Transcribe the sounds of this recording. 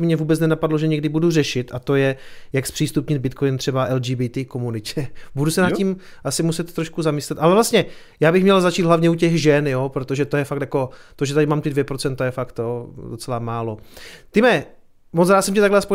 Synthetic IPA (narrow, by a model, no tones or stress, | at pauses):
mɲɛvuːbɛt͡snɛnapadloʒɛɲɛɡdɪbudur̝ɛʃɪt̪ʔat̪o̞jɛjakspr̥iːst̪upɲɪd̪̚bɪt̪kojint̪r̥ɛbaʔɛld͡ʒiːbit̪ikomunɪcɛbudusɛnat̪cːim | ʔasɪmusɛt̪t̪ːɾoʃkuzamɪslɛt̪ʔalɛvlast̪ɲɛ | jaːbɪxmɲɛlzat͡ʃiːd̪ɦlavɲɛucɛɣʒɛnjopɾot̪oʒɛt̪ojɛfak̚t̪jako̞t̪oʒɛt̪adɪmaːmt̪ɪdvjɛpɾot͡sɛnt̪ajɛfakt̪jodo̞t͡sɛlamaːlo̞t̪ɪmɛ | mot͡sɾaːt̪sɛmcɛt̪aɡlɛspo